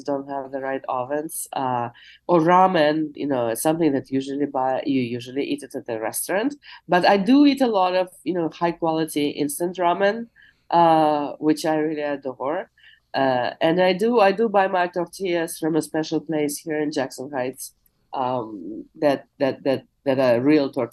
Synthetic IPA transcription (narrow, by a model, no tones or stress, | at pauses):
sdõʊ̃nt̚ɦævðəɹaɪtɔ̰fɛ̃nsʌʔə˞ɹamɨ̃njɨ̰noʊɪtsʌ̃mθɪ̃ŋðɨtʰjʉʒl̩ˠibaɪjɨjʉʒl̩ˠiʔiɾɨɾɨt̪̚ðɨɹɛ̰stɑ̃ntb̥ʌɾaɪdɨiɾəlɔɾʌv̥jɨnoʊhaɪkw̥ɔlˠɨɾiʔɪ̰̃nstə̃ntɹamɨ̃n | ʔʌwɪt͡ʃaɪɹilˠiɨdɔɹ | ʔʌɨ̃naɪdɨaɪdɨbaɪmaɪtʰɔɹtʰiəsɹʌ̃mə̃spɛʃl̩ˠpleɪshiɹɨ̃nd͡ʒæksə̃nhaɪt | ʔʌ̃mðɨt̪̚ðɨt̪̚ðɨt̪̚ðɨɾaɹilˠtʰɔɹ